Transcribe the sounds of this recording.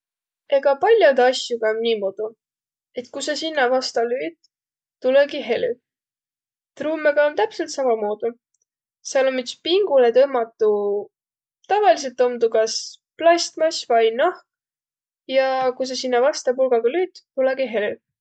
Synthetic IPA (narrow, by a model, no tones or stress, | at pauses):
e̞ɡ̥ɑpɑlʲjɑd̪ɑsʲjuɡ̥ɑnnʲiːmod̪̥u | e̞t̪kusɑsinːɑvɑst̪ɑlyːd̪̥ | t̪uleɡiɦe̞ly | t̪ruːmeɡ̥ɑont̪æpse̞lt̪sɑmɑmoːd̪̥u | sɑlomːyt̪spiŋɡ̥ulet̪ɤmːɑt̪ːˑu | t̪ɑvɑlis̬e̞lt̪ːˑo̞md̪ukɑsplɑst̪mɑsʲvɑjnɑhk | jɑkus̬ɑsinːɑvɑst̪ɑpulɡɑɡ̥ɑlyːd̪̥ːuleɡ̥iɦe̞ly